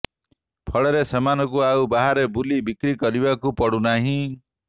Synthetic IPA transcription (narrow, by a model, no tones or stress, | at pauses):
pʰɔɭɔɾesɔmanɔkuaubaɦaɾebulibikɾikɔɾibakupɔɽunaɦĩ